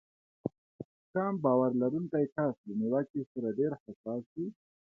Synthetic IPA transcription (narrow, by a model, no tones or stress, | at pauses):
kɑmbɑwaɾlaɾunk̪ajkasləniwakisaɾaɖeɾhasɑːsi